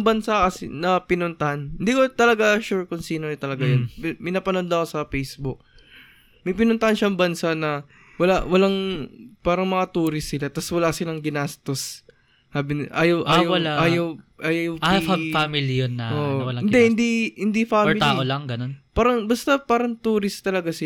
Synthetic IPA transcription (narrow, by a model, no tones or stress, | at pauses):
ŋbɐnsakɐsḭnɐpɪnʊnt̪ɐhanhɪnd̪iːkot̪ɐlɐɡaʃuɹkʊŋsiːnot̪ɐlɐɡajonmɪnaːpɐnond̪ɐʔkosɐpejsbʊk̚ | mɐjp̬ɪnʊnt̪ɐhanʃɐʔɐŋbɐnsanɐ | wɐlawɐlaŋpaːɾɐŋmɐŋat̪uːɾɪsːɪlat̪ɐswɐlaːsɪlɐŋɡɪnast̪os | haːbɪnʔaːjowʔaːjowɐlaʔaːjɐwʔaːjjowffamilijonːaʔoːʔʔwɐlaŋɪnd̪ɛhɪnd̪ihɪnd̪ifaːɛmɪlt̪aʔolaŋɡɐnonpaːɾɐŋbɐst̪ɐpaːɾɐŋt̪uːɾɪst̪ɐlɐɡasɪ